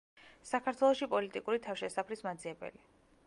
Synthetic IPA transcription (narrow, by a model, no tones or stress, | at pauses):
sakʰaɾt̪ʰwɛlˠɔʃipʼɔlit̪ʼikʼuɾit̪ʰafʃɛsapʰɾismad̪ziɛbɛ̰li